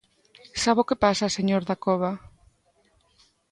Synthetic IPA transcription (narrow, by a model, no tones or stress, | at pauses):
saβokepasaseɲoɾðakɔβa